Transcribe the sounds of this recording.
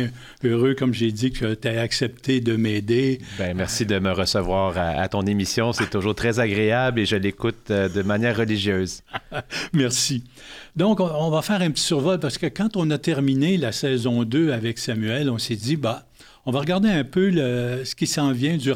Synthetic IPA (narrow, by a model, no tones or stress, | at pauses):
øʁøkɔmʒed͡z̪ikʰət̪yɛaksɛp̚t̪ʰed̪əmɛːd̪ebɛ̃mɛʁsid̪əməʁəsəvwaːʁaa̰t̪ɔ̃nemisjɔ̃sɛt̪ʊʒuːʁt̪χɛzaɡʁeableʒəlːekʊt̪d̪əmanjɛːʁːəliʒjøːz | mɛʁsi | d̪ɔ̃kɔ̃ɔ̃vafɛːʁɛ̃pətt͡s̪i̥syʁvɔlpaʁsə̥kəkɑ̃t̪ɔ̃nat̪ɛʁminelasɛːzɔ̃d̪øavɛksamyɛlɔ̃sed͡z̪iba | ɔ̃vaʁəɡaʁd̪eɛ̃pøləsə̥kʲisɑ̃vjɛ̃d̪y